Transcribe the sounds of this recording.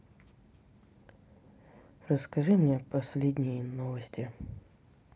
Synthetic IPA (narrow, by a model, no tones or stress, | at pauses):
rəskɐʐɨmnʲepɐsʲlʲedʲnʲɪjənovəsʲtʲɪ